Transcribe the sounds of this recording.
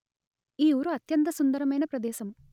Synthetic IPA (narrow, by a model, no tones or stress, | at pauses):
iːuːɾuɐt̪jɐnt̪̬ɐsund̪ɐɾɐmɐjnɐpɾɐd̪ɛːʃɐm